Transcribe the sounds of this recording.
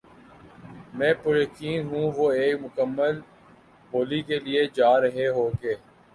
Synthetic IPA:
mɛ̃ːpʊɾjəkiːnɦũʋoːeːkmʊkəmːəl | boːlikelied͡ʒaːɾəɦeɦoːkeː

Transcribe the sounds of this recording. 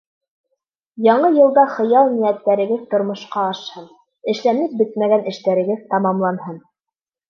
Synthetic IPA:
jɑɴɤjɤ̆lˠd̪ɑχɤ̆jɑlˠnijæt̪ːæɾɘ̆ɡɘðt̪ŏɾmŏʃqɑːʃhɤn | ɘ̆ʃlænɘp̚bɘt̪̚mæɡænɘ̆ʃt̪æɾɘ̆ɡɘðt̪ɑmɑmlˠɑnhɤn

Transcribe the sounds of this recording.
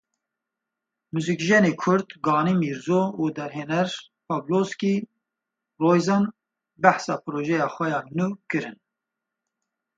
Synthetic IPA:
muzikʒɛneːkʰʊɾd̪ɡɑːnimiːɾzoud̪ɛɾɦeːnɛɾ | pʰɑbloski | roːjzɑːn | bæħsɑːpʰɨɾoːʒɛjɑːxʷɛjɑːnuːkɨɾɨn

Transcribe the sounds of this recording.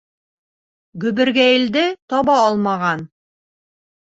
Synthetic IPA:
ɡɵ̆bɘ̆ɾɡæjɘ̆ld̪ɘt̪ɒβɑɒlˠmɑʁɑn

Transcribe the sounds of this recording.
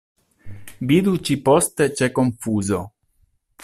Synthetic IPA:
bid̪ut͡ʃipɔst̪et͡ʃɛkːoɱfuːzo

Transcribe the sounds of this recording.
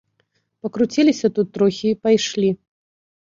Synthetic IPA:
pɐkɾut͡sʲilʲisʲɐt̪ut̪ːɾɔxʲiːpajʂlʲi

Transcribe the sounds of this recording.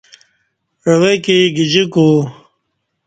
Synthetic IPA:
ɾɐwekiɡid͡ʑiku

